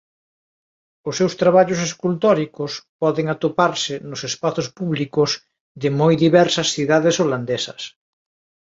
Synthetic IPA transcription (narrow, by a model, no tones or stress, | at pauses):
ʊsːewst̪ɾaβaʎʊs̬eskult̪ɔɾikʊspɔðeŋat̪opaɾsɪnʊsespaθospuβlikʊz | ðɪmojðiβɛɾsɐsθiðaðesoland̪esɐs